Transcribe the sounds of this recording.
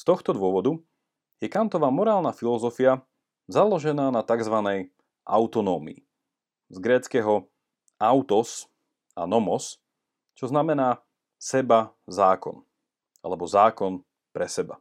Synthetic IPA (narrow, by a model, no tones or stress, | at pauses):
st̪ɔxt̪ɔd̪ʋʊɔʋɔd̪u | jɛkant̪ɔʋaːmɔɾaːlnafilɔzɔfia | zalɔʒɛnaːnat̪aɡzʋanɛj | ʔa̰ʊt̪ɔnɔːmḭː | zɡɾɛːt͡skɛːɦɔ | aʊt̪ɔs | a̰nɔmɔs | t͡ʃɔznamɛnaː | sɛba | zaːkɔ̰n | a̰lɛbɔzaːkɔn | pɾɛsɛba̰